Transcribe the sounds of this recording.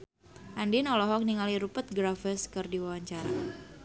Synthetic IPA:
ʔandinɔlɔɦɔk̚niŋaliɾupət̪̚ɡɾafəskɨrdiwawaɲt͡ʃaɾa̰

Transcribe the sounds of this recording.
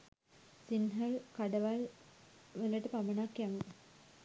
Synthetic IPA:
sinɦəlkaɖəʋal | ʋələʈəpamənakjaŋ

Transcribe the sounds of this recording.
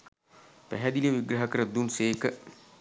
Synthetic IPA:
pæɦæd̪iliəʋiɡɾaɦəkəɾəd̪unseːkə

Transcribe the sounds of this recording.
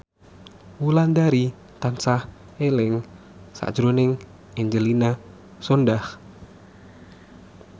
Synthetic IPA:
wuland̪aɾi | t̪ansah | elɪŋ | sa̰̥d͡ʒɾonɪŋ | iɲd͡ʒəlina | sɔndah

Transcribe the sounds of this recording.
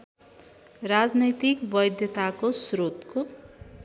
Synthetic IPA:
rad͡znʌjt̪ikbʌjd̪jʌt̪akosɾot̪ko

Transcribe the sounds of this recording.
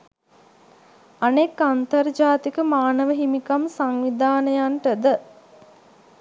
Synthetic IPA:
anekːant̪ɐrd͡ʒaːt̪ikəmaːnəʋəɦimikamsaŋʋid̪ʱaːnəjanʈəd̪ə

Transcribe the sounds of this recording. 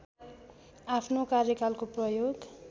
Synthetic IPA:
apʰnokarjʌkalkoprʌjoɡ

